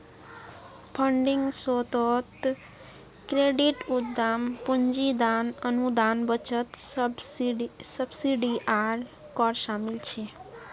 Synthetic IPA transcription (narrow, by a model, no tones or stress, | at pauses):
pʰəɳɖɪŋɡsɔt̪ɔt̪ | kɾeɖiʈut̪d̪ampuɲd͡ʒid̪anənud̪anbət͡ʃət̪s | səbsiɖiʔaɾ | kɔɾʃamilt͡ʃʰe